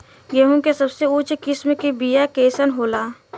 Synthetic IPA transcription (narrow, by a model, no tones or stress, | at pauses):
ɡeɦũkesɐbseʊt͡ʃkɪsmekebijakeːsənɦoːlaː